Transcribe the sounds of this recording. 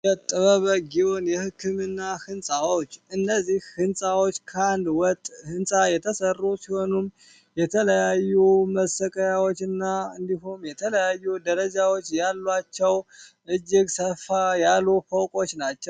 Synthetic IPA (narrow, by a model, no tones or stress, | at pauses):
jɛt̪ʼəβəβəɡiwo̞njɛhɨkʰːɨmɨnːahɨnsʼawot͡ʃːɨnːəzːihhɨnsʼawot͡ʃːkʰəand̪wɔt̪ʼːhɨnsʼajɛt̪ʰəsərːusiho̞num | jɛt̪ʰələjajːuməsəkʼəjawo̞t͡ʃːɨnːaɨnd̪iɦumjɛt̪ʰələjajːud̪əɾəd͡ʒawo̞t͡ʃːjalːwat͡ʃːɛwʔɨd͡ʒːɪɡsəfajalːufəwkʼo̞t͡ʃːnat͡ʃːɛw